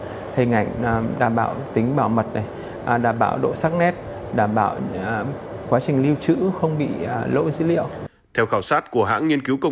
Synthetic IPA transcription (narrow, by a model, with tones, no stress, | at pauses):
h̪ʰə˨˩ŋa˧˩jŋ̟˨˩ɗaː˧˩mɓaː˧˩wt̪ï˨˦ŋ̟ɓaː˧˩wmə˨˩t̚na˨˩j | ʔɗaː˧˩mɓa̰ː˧˩wɗo̰˧˨saː˦˥k̚nɛ˦˥t̚ | ɗaː˧˩mɓaː˧˩w | kwaː˨˦t͡ɕï˨˩ŋ̟li˧əwt͡ɕɨ̰˧˥xə˧wŋ͡mɓḭ˧˨˩lo̰˧˥zɨ̰˧˥lḭ˧˨əw | t̪ʰɛ˧wxaː˧˩wsaː˦˥t̚ku˧˩əɦa̰ː˧˥ŋŋi˧ənki˨˦wkə˧w